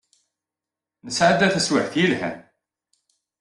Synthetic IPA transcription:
nəsʕad̪ːæθəswəħθjilhæ̰n

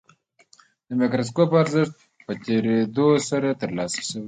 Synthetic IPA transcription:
d̪̥əmekɾas̬kopaɾzɪʂt̪̚ | pət̪ʲeɾed̪osaɾat̪əɾlɑsə̥ʃəwi

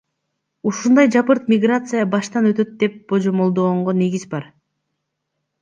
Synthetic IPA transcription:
uʃund̪ɑjd͡ʒɑpɯɾt̪̚mʲɪɡrat̪sɨjəbɑʃt̪ɑnø̞t̪ø̞t̪̚d̪e̞p̚b̥od͡ʒomo̞lˠd̪o̞ːoɴʁone̞ɡʲizbɑɾ

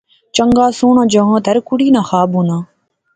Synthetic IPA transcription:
t͡ʃəŋɡaːsoːɳãːd͡ʒɐɦãːd̪ɐɾkʊɽiːnãːxaːbũːnãː

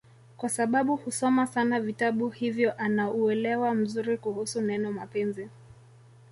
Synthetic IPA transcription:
kwasaɓaɓuhusɔmasanavitaɓuhivjɔʔanauɛlɛwam̩zuɾikuhusunɛnɔmapɛnzi

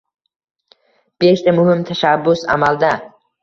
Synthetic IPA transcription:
b̥eʃt̪amʊhɪmt̪ʰaʃabːʊsa̰mald̪a

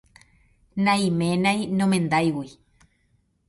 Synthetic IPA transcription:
nãj̃mẽnãj̃nõmẽnd̪ajwi

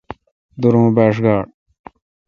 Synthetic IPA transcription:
d̪ʊɾõːbeːʂ̬ɡaːɽ

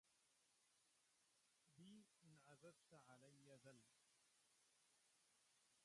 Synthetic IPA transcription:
biːɪnʕazadt̪aʕalajːaðal

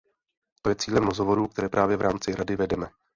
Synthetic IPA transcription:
t̪o̞jɛt͡siːlɛmɾozɦovo̞ɾuːk̚t̪ɛɾɛːpɾʔaːvjɛvɾaːmt͡sɪɾadɪvɛdɛmɛ

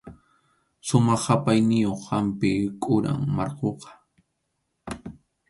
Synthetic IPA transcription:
sʊmɑχːapajnɪjoχːampɪkʼʊɾa̰ŋmɑɾqoqɑ̥

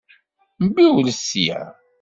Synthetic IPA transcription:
mbiwləsijæ̰

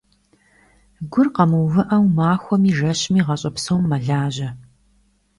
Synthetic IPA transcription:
ɡʷʊrqɐmɨwvɨʔɐwmaːxʷɔmiːʒɐɕmiːʁɐɕʼɐpsɐwmːɐɮaːʑɐ

